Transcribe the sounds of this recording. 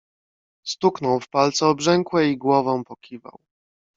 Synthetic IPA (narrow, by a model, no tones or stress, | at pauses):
st̪uknɔwfpalt̪sɛɔbʐɛŋkwɛiɡwɔvɔ̃w̃pɔkʲiva̰w